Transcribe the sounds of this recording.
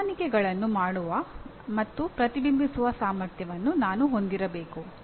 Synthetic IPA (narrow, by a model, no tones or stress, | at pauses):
nikɛɡɐɭɐnːumaːɽuʋɐ | mɐt̪ːupɾɐt̪ibimbʱisuʋɐsaːmɐɾt̪ʰjɐʋɐnːunaːnuɦo̞nd̪iɾɐbeːku